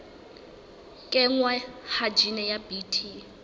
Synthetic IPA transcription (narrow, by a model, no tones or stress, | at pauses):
kʼɛŋwahad͡ʒinɛjabitʰi